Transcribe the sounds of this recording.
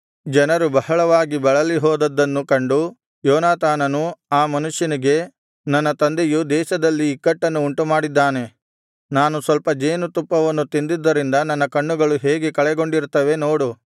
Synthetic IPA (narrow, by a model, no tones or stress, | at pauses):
d͡ʒɐnɐɾubɐɦɐɭɐʋaːɡibɐɭɐliɦɔːd̪ɐd̪ːɐnːukɐɳɖu | jɔːnaːt̪aːnɐnuaːmɐnuʂjɐniɡe̞ | nɐnːɐt̪ɐnd̪ejud̪ɛːʃɐd̪ɐlːiːkːɐʈːɐnːuːɳʈumaːɽid̪ːaːne̞ | naːnusʋɐlpɐd͡ʒeːnut̪upːɐʋɐnːut̪ind̪id̪ːɐɾind̪ɐnɐnːɐkɐɳːuɡɐɭuɦeːɡekɐɭɛɡo̞ɳɖiɾt̪ːɐʋe̞no̞ːɽu